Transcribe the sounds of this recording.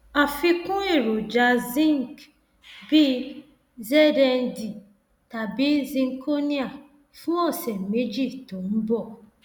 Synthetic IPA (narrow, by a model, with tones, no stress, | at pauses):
a˨fi˧kũ˦e˦˨ɾo˨d͡ʒa˧zĩ˦ŋ˨k | bi˦ | zɛ˦da˦n̩˦di˨ | ta˨bi˦zĩ˧ŋ̩˦kʰo˦ni˦a˨ | fũ˦ɔ˦˨sɛ˨me˦d͡ʒi˦˨to˨n̩˦bɔ˦˨